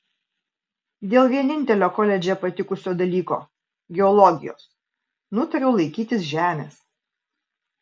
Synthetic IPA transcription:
d̪ʲeːlˠʋʲiɛnʲɪnʲt̪ʲɛlʲoːkɔlʲɛd͡ʒʲɛpɐt̪ʲɪkʊsʲoːd̪ɐlʲiːko̰ː | ɡʲɛɔlˠɔɡʲɪ̰jo̰ːs | nʊt̪ɐɾʲɛʊlˠɐɪkʲiːt̪ʲɪs̬ʒʲæːmʲḛːs

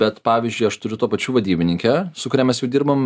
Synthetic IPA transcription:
bʲɛt̪pɑːʋʲizʲd͡ʒʲʊɪɐʃt̪ʊɾʲʊt̪oːpɐt͡ʃʲuːʋɐd̪ʲiːbʲɪnʲɪŋʲkʲɛsʊkʊɾʲɛːmʲɛsjɛʊd̪ʲiːɾbɐm

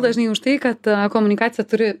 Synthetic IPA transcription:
lˠeʒniːuʃt̪iːkat̪komunikaːt̪sʲjat̪uɾi

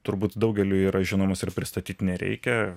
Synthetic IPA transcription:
t̪ʊɾbuːt̪d̪ɐʊɡʲɛlʲuːiːɾɐʒʲɪnoːmɐsɪrpʲɾʲɪst̪ɐt̪ʲiːt̪nʲɛɾʲɛ̰ɪkʲɛ

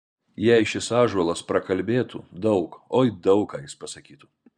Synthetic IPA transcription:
jɛɪʃʲɪsɑːʒɔlˠɐspɾɐkɐlʲbʲeːt̪ṵd̪ɒʊkoːid̪ɐʊkɑːjɪspɐsɐkʲiːt̪ʊ

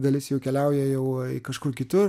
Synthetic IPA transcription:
d̪ɐlʲɪsjɛʊkʲɛlʲɛʊjɛjɛʊkɐʃkʊrkʲɪt̪ʊr

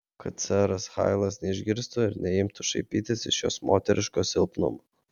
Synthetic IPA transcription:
kɐt̪̚sʲæːɾɐsxɑ̰ɪlˠɐsnʲɛɪʒʲɡʲɪɾst̪ʊɪɾnʲɛɪmt̪ʊʃɐɪpʲiːt̪ʲɪsɪʃjo̰ːsmoːt̪ʲɛɾʲʔʲɪʃkoːsʲɪlˠpnʊ̰mo

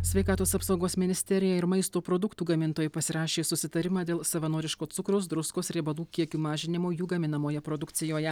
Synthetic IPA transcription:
sʲʋʲɛɪkɑːt̪oːsɐpsɐʊɡoːsmʲɪnʲɪsʲt̪ʲɛɾʲɪjɛɪɾmɐɪst̪oːpɾod̪ʊkt̪uːɡɐmʲɪnt̪oːjɛpɐsʲɪɾɑːʃʲeːsʊsʲɪt̪ɐɾʲɪmɑːd̪ʲeːlˠsɐʋɐnoːɾʲɪʃkoːt̪sʊkɾoʊs̬d̪ɾʊskoːsɾʲeːbɐlˠuːkʲiɛkʲuːmɑːʒʲɪnʲɪmoːjuːɡɐmʲɪnɐmoːjɛpɾɔd̪ʊkt̪sʲɪjoːjɛ

